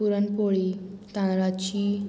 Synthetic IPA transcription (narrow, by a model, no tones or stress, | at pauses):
uɾənpoɭiːt̪ãnɾat͡ɕiː